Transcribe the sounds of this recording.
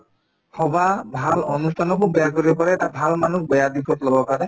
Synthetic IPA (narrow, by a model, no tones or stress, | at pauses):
hɔbabʱalɔnustʰanɔkobɛjakoɹibɔkɔɹɛtabʱalmanuk̚bɔjad̪ikʰɔt̪lɔbɔkaɹɛ